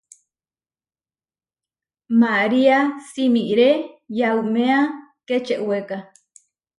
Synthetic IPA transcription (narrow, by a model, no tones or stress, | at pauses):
maɾiasimiɾejaumẽaket͡ʃeʔweka